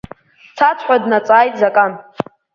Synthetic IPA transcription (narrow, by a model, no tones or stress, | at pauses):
t͡sʰat͡sʰħʷadnat͡sʼaːjtʼzakʼan